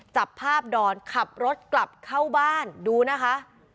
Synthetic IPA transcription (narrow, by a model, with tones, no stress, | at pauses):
t͡ɕa˨˩pʰːaː˥˩p̚dɔː˧nkʰa˨˩p̚ɾo˦˥t̪̚kla˨˩p̚kʰa˥˩wbaː˥˩nduː˧na˦˥kʰa˦˥ʔ